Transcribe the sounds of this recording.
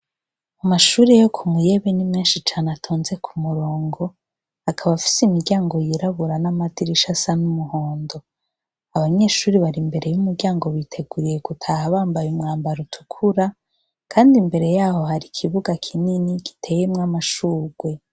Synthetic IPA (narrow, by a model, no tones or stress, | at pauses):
amaʃuːɾe̞jo̞kʰumŋuje̞βenimŋiːnʃit͡ʃaːnatʰoːnze̞kʰumuɾo̞ːŋɡo̞ | akʰaβafi̥simiɾɟaːŋɡo̞jiɾaβuɾanamadiɾiʃasanumuho̞ːndo̞ | aβaɲe̞ːʃuːɾiβaɾimbe̞ɾe̞jumuɾɟaːŋɡo̞βitʰe̞ɡuɾije̞ɡutʰaːhaβaːmbajumŋaːmbaɾutʰu̥kʰuɾa | kʰaːndimbe̞ɾe̞jaːho̞haɾikʰiβuɡakʰininiki̥tʰe̞ːjemŋamaʃuːɡwe̞